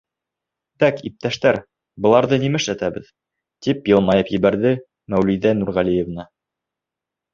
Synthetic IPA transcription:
t̪ækip̚t̪æʃt̪æɾ | bɤ̆lˠɑɾðɤnimɘʃlæt̪æβɘ̰ð | t̪ipjɤlˠmɑjɤpjɘ̆βæɾðɘ | mæwliðænuɾʁælʲijevnɤ

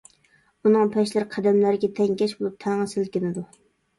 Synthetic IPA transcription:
unɨŋpʰɛʃlɪɾqʰæd̪ɛmlæɾɪɡʲɛt̪ʰɛŋɡʲɛʃbolˠup̚t̪ʰɛŋɨsɪlkʲɪnɪd̪u

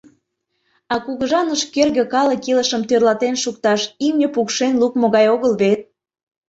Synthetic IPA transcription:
ɑkuɣəʒɑnəʃkerɣĕkɑlə̆kiləʃəmt̪ørlɑt̪enʃuk̚t̪ɑʃimnʲəpukʃenlukmoɣɑjoɣəlβet̪̚

